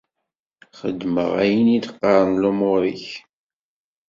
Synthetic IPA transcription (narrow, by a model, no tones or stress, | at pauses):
χəd̪ːmə̰ʁæjənid̪qːɑɾˤənlumʊɾiç